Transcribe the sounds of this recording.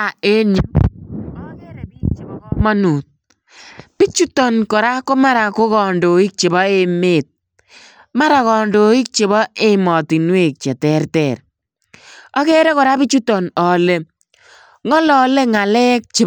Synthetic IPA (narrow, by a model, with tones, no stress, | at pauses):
a˨e˦n˨ | mɔ˦nu˨t̚ | pi˦t͡ʃu˦tɔ˨nkɔ˨ɾa˦ko˦ma˦ɾa˨ko˦kɔ˨ndo˨i˦k̚t͡ʃe˨bɔ˦e˨me˨t̚ | ma˦ɾa˨kɔ˨ndo˨i˦k̚t͡ʃe˨βɔ˦e˦mɔ˨ti˨nwe˦˨k̚t͡ʃɛ˨tɛ˦rtɛ˨r | ɔ˦kɛ˦ɾɛ˦kɔ˨ɾa˦pi˦t͡ʃu˦tɔ˨nɔ˨le˦ | ŋɔ˦lɔ˨le˦ŋa˨lɛ˦k̚t͡ʃe˨